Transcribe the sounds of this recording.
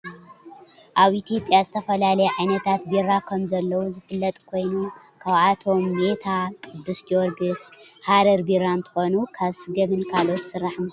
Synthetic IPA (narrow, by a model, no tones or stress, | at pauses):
ʔaβʔit̪ʰijo̞pʼjazɨt̪ʰɐfɐlalɐjɛʕajnɐt̪ʰat̪biɾakʰɐmzɐlːɐwuzɨfɨlːɐt̪ʼkʰo̞jnu | kʰaβat̪ʰo̞mːet̪ʰakʼɨd̪ːɨsd͡ʒoɾɡɨshaɾɐɾbiɾant̪ʰɨ̥xonukʰaβsɨɡɐmɨnkʰalo̞t̪sɨɾːaħɨm